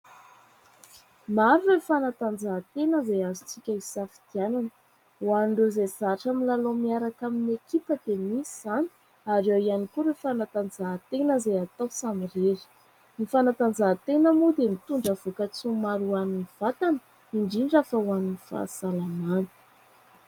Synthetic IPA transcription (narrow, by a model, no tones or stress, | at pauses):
maɾurefanat̪and͡zat̪enəzajazit͡sikʲəisafi̥d̪̥iananə | waɳɖ͡ʐezezaʈ͡ʂamilalomiaɾakaminekipəd̪emisizani̥ | aɾewianikuɾefanat̪and͡zat̪enəzajat̪awsamireɾi̥ | nifanat̪and͡zat̪enəmud̪emit̪uɳɖ͡ʐəv̥ukət͡sumaɾuaniniv̥at̪anə | iɳɖ͡ʐiɳɖ͡ʐafawaninifa̰salamanə̥